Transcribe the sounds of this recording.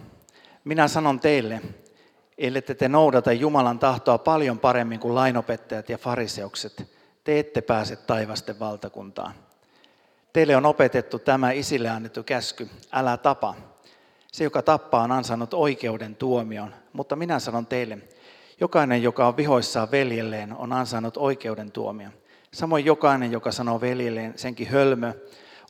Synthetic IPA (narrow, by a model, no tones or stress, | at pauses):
minæsɑno̞nt̪e̞ilːe | eilːet̪ːet̪eno̞udɑt̪ejjumɑlɑnt̪ɑht̪oɑpɑljo̞mpɑɾemːiŋkulɑinopet̪ːɑjɑt̪jɑfɑɾise̞ukset̪ | t̪eet̪ːepæːset̪t̪ɑjʋɑst̪eʋʋɑlt̪ɑkṵnt̪ɑ̰ː | t̪eilːeono̞pe̞t̪e̞t̪ːut̪æmæisilːeɑnːet̪ːukæskyælæt̪ɑpɑ | sejokɑt̪ɑpːɑːonɑnsɑnːut̪o̞ike̞ude̞nt̪uomionmut̪ːɑminæsɑnont̪eilːe | jokɑinejjokɑoʋʋiɦo̞isːɑːʋʋe̞ljelːeːno̰nɑnsɑnːut̪o̞ike̞ude̞nt̪ṵo̰miɑ | sɑmo̞jjokɑinejjokɑsɑno̞ʋeljelːeːnseŋkihølmø